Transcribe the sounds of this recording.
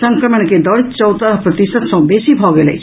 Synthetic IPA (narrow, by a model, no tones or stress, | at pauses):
səŋkɾəməɳ̃ked̪ɔɽit̪t͡ʃɔwt̪əɾɦpɾɔt̪isət̪sɔ̃besibʱɔɡelḛjt͡ʃʰ